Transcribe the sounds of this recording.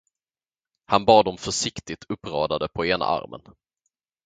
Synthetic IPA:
hanbɑːd̪ɔmfœʂɪkt̪ɪt̪ʰɵpːɾɑːd̪ad̪əpʰɔeːna̰ʔa̰ɾmə̰n

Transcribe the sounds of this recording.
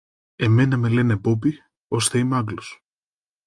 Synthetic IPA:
e̞me̞nɐme̞lenepop̬i | o̞st̪eimeɐklos

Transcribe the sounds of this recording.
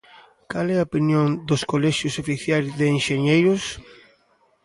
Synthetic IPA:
kalɛɐopinjoŋd̪oskolɛʃjʊsofiθjajzðeːnʃeɲejɾʊs

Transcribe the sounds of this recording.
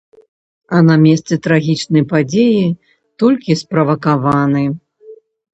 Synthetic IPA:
ɐnɐmʲɛst̪sɛt̪ɾaɣʲit͡ʂnɐjpad͡zʲeji | t̪ɔlʲkʲispɾɐvɐkavanɨ

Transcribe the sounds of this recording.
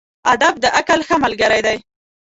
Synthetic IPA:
ad̪ab̚d̪əʔakalxəmalɡəɾajd̪aj

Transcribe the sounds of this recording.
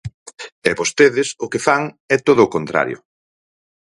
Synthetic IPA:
ɛbost̪eðɪsʊkefaŋ | ɛt̪oðʊːkont̪ɾa̰ɾjʊ̰

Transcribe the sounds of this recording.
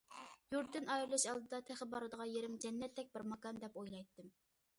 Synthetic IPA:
juɾt̪ːɪnɑjɾɨlˠɨʃɑlˠd̪ɨd̪ɑt̪ʰɛχəbɑɾɨd̪əʁɑjeɾɪmd͡ʒɛnːɛt̪ːɛk̚ʲbɪɾmɑkɑnd̪ɛpojlˠɑjt̪ːɨm

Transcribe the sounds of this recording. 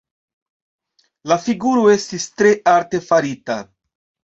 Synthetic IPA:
lafiɡuɾoe̞stist̪ɾe̞aɾte̞faɾita

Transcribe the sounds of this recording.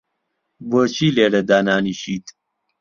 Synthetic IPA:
bət͡ɕiːleːɖɐd̪aːnaːniɕiːt̪

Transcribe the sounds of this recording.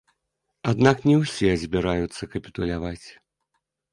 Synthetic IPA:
ad̪naknʲɛwsʲɛzʲbʲɛɾajut̪sːɐkɐpʲi̥t̪ulʲavat͡sʲ

